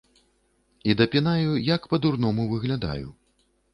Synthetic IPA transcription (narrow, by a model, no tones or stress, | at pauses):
id̪ɐpʲinajujɐkpɐd̪urn̪ɔmuvɨɣlʲad̪a̰jṵ